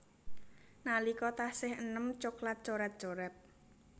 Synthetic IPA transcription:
nalikɔt̪ahsɪhənəmt͡ʃʊklat̪̚t͡ʃoɾɛt̪̚dʒ̥oɾɛp̚

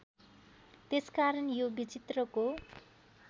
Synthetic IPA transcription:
t̪eskaɾʌnjobit͡sit̪rʌko

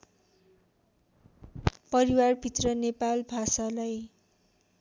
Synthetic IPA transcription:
pʌɾiwarbʱit̪rʌnepalbʱasalaj

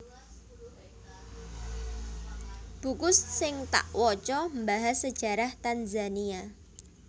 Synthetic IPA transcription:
b̥ukʊssɪŋt̪a̰ʔwɔt͡ʃɔmbaɦasəd̥ʒ̥a̤ɾaht̪anzania

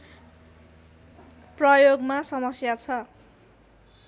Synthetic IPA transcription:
prʌjoɡmasʌmʌsjat͡sʰʌ

